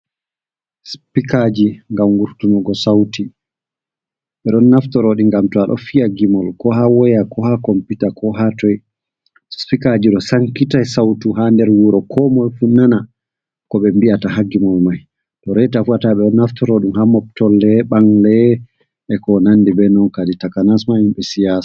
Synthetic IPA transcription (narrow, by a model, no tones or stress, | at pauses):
spikad͡ʒiŋɡamɡuɾtunɔɡɔsawti | ɓɛɗɔnːaftɔɾɔɗiŋɡamtɔaɗɔ̰fiaɡimɔlkɔɦawɔjakɔhakɔmpitakɔɦatɔj | sspikad͡ʒiɗɔsaŋkitajsawtuɦandɛɾwuɾɔkʰɔmɔlfunana | kɔɓɛmbiataɦaɡimɔlmaj | tɔɾɛjtafuataɓɛɗɔnːaftɔɾɔɗumhamɔp̚tɔlːɛɓaŋlɛ | ɛkɔnanːdibɛnɔnkaditakanasmahimɓɛsijas